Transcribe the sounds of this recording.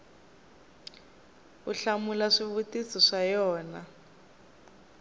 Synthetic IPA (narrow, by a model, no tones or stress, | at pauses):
uɬamulaʂiβutisɔʂajɔːna